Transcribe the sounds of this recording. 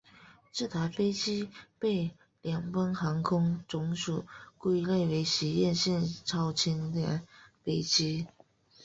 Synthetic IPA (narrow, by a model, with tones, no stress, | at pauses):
ʈ͡ʂ̩˥˩t̪ʰa˧˥ɪfe˥ɪt͡ɕi˥pe˥˩ɪ | ljɑ˨˩ŋfə˥nxɑ˧˥ŋkʰʊ˥ŋʈ͡ʂʊ˧˥ŋʂu˨˩˦kwe˥˧le˥˩ɪwe˧˥ɪɕi˧˥jɛ˥˧nɕɛ˥˩nʈ͡ʂʰɑ˥ʊt͡ɕʰi˧˥nd̪ə̰˨˩nfe˥ɪt͡ɕi˥